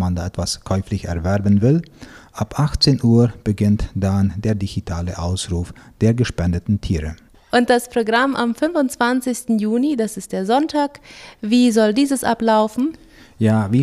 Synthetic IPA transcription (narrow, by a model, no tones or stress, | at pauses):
mandaʔɛtv̥askʰɔʏflɪçɛ̰ɐvɛʁbənvɪlʔapʔaxt͡seːnʔuːɐb̥əɡɪntd̥andeːɐdiɡitʰaːləʔaʊsʁuːfd̥eːɐɡəʃpɛndətn̩tʰiːʁə | ʔʊnt̚d̥aspʁ̥oɡʁamʔamfʏnvʊnt͡sv̥ant͡sɪçstn̩juːnidasɪst̚d̥eːɐzɔntʰaːkviːzɔldiːzəsʔa̰plaʊfn̩ | jaːviː